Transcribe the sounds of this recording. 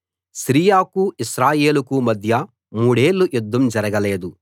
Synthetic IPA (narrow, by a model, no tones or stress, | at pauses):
ʃɾiːjaːkuiʃɾaːjeːlukumɐd̪ʱjɐ | muːɽe̞ːɭːujud̪ʱːɐmd͡ʒɐɾɐɡɐle̞ːd̪u